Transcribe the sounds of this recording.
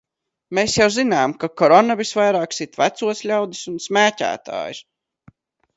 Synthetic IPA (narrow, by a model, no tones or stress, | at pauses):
meːsjawzinaːmkakɔɾɔnavisvajɾaːksit̪væt̪suɔsʎʲawd̪isunsmæːcæ̰ːt̪a̰ːjus